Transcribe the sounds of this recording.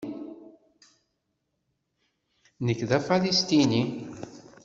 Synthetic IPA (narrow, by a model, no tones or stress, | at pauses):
nəkːðafalist̪ini